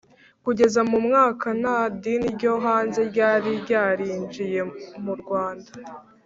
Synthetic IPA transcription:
kuɟe̞zamumŋaːkanadiniɾɟo̞ɦaːnze̞ɾɟaːɾiɾɟaːɾiːnd͡ʒije̞muɾɡwaːnda

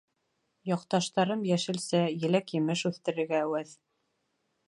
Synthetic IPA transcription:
jɑqt̪ɑʃt̪ɑɾɤmjæʃɘ̆lsæjɘ̆lækjɘ̆mɘʃʉθt̪ɘ̆ɾɘ̆ɾɡæːwæð

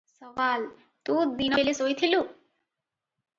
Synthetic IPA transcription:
sɔʋal | t̪ud̪inojlesojt̪ʰilu

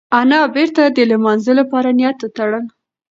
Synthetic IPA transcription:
anɑbeɾt̪ad̪əlamɑnzəlapɑɾanjat̪ot̪aɽəl

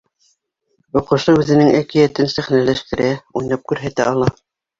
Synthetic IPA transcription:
ŏqɤ̆ʃɤʉðɘ̆nɘŋækijæt̪ɘnsæχnælæʃt̪ɘ̆ɾæujnˠɑp̚kʉɾɦæt̪æɑlˠɑ

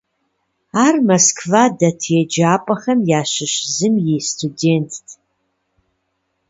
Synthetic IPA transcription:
aːrmɐskʰvaːdɐtʰjɛd͡ʒaːpʼɐxɐmjaːɕɪɕzɨmjestʰudeːntʰː

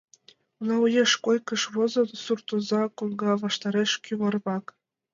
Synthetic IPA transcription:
unɑujeʃkojkɤ̆ʃβɤ̆zɤ̆nsurt̪ŏzɑkolɡɑβɑʃt̪ɑɾeʃkʲyβɤ̆rβɑk

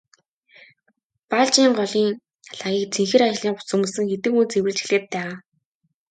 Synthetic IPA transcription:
paɮt͡ɕiːɴɢɔɮiːŋ | aɮaːɣʲiːk̚t͡sʰeŋxĕɾat͡ɕ̆ɮiːŋɢʊ̥t͡sɵ̆mŭsɘ̆ŋxet̪ɘ̆kunt͡sewɘ̆ɮt͡ɕxĭɮeːt̪̚pæːʁaː

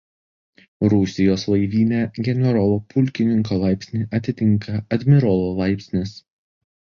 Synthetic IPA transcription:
ɾʊsʲɪjoːslˠɐɪʋʲiːnʲɛɡʲɛnʲɛɾɔlˠopʊlʲkʲɪnʲɪŋkoːlˠɑˑɪpʲsʲnʲiʔɐt̪ʲɪt̪ʲɪŋˑkɐɐd̪ʲmʲɪɾɔlˠolˠɑɪpʲsʲnʲɪs

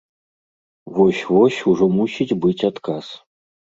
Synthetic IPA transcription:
vɔsʲvɔsʲuʐɔmusʲid͡zʲbɨt͡sʲat̪kas

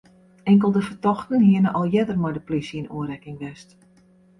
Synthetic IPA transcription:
ɛŋk̬əlˠdəfətɔxtənhiənəʔɔlˠjɛdərmɔjdəplisinṵəɾɛkɪŋʋɛst

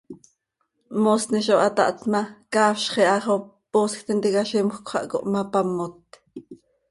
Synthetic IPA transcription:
mosniʃoʔɑt̪ɑ̰ʔt̪mɑkɑːfʃχiʔɑχoposkt̪int̪ikɑʃimxkʷχʷɑ̰ʔko̰ʔmɑpɑmːot̪

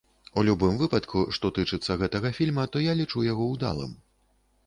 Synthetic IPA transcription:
ulʲubɨmvɨpɐt̪kʰuʂt̪ɔt̪ɨt͡ʂɨt̪sːɐɣɛt̪ɐɣɐfʲilʲmɐt̪ɔjalʲit͡ʂujaɣɔwd̪a̰lˠɨ̰m

